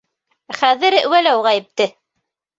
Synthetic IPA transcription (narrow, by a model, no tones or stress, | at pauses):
χæðɘ̆ɾwælæwʁæjɘ̆p̚t̪ɘ